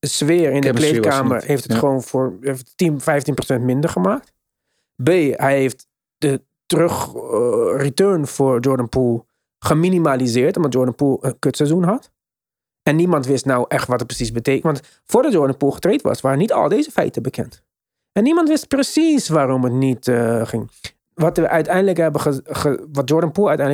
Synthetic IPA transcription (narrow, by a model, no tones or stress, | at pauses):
əsʋɪːɹɪndklekaːmə̰ɹɦejftətχəʋoːnfʊːɹeftinfɛjftinprosɛntmɪndəɹχəmaːk̚t | beːɦɛjeft | d̥ə | trøχ | ritøɹnfʊːɹd͡ʒɔɹdənpulˠ | χəminimalizɪːɹtɔmdɑtjɔɹdənpulˠənkøtsɛzunɦɑt | ɛnːimɑntʋɪstnawʔɛχtʋɑtət̚prə̥sisbəteːkənʋɑnt | fʊːɹdɑt̚jɔɹdənpulˠχə̥trejtʋɑ̰sʋaːɾənitɑ̰lˠdeːzəfɛ̰jtəbəkʰɛ̰nt | ɛnːimɑntʋɪst̚prəsisʋaːrɔmətnitχɪŋ | ʋɑtʋəʔœɥtɛjndələkɦɛbəəχəʋɑt̚jɔɹdənpuœɥtɛjnd